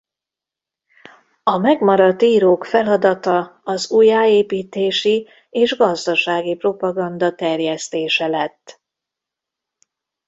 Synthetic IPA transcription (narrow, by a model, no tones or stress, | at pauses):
ɒmɛɡmɒɾɒt̪ːiːɾoːkfɛlɒd̪ɒt̪ɒɒzuːjaːeːpiːt̪eːʃi | eːʒɡɒzd̪ɒʃaːɡipro̞pɒɡɒnd̪ɒt̪ɛrjɛst̪eːʃɛlɛt̪ː